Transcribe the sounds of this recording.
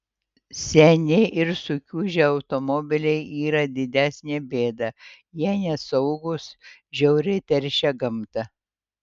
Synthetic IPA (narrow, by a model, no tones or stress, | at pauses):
sʲɛnʲɪʔɪɾsʊkʲuːʒʲɛɐʊt̪omɔbʲɪlʲɛɪʔiːɾɐd̪ʲɪd̪ʲæsʲnʲeːbʲeːd̪ɐ | jiɛnʲɛsɐʊɡʊsʒʲɛʊɾʲɪt̪ʲɛɾʲʃʲɛɡɐmt̪ɐ